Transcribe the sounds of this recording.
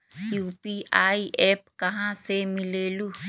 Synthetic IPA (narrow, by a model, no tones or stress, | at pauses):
jupiʔajepkaɦãsemilelu